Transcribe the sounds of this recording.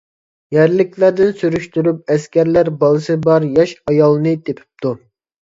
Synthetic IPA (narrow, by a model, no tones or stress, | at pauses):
jæɾlɪkʲʰlæɾd̪ɪnsyɾyʃt̪yɾyp̚ɛskʲæɾlæɾbɑlˠɨsɨbɑɾjɑʃɑjɑlˠɨnɨt̪ʰepʰɪ̥p̚t̪ʰu